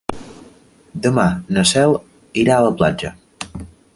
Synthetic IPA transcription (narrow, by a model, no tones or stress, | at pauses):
d̪əmanəsɛlˠ | iɾaələpla̰d͡ʒə